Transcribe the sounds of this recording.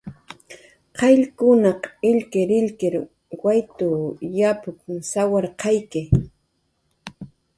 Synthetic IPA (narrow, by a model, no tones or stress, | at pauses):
qʰɑʎkʊnɑqɪʎkɪɾɪʎkɪɾ | wajt̪ʊjapʊkŋsawaɾqɑjkɪ